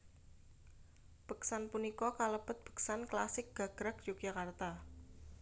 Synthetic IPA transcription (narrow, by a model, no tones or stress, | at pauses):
b̥ə̤ksanpunikɔkaləb̥ət̪̚b̥ə̤̥ksanklasɪk̚ɡ̥a̤ɡ̥ɾak̚d͡ʒukjakart̪a